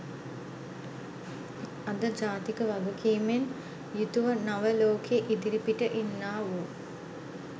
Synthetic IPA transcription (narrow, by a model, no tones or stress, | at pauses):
ɐd̪əd͡ʒaːt̪ikəʋɐɡukʰiːmen | jut̪uʋənaʋəloːkʰeʔid̪iɾipiʈəʔinːaːʋu